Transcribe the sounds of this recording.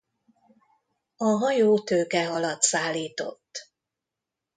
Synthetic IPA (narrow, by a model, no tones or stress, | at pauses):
ɒɦɒjoːt̪øːkɛɦɒlɒt̪saːlːiːt̪o̞̰t̪ː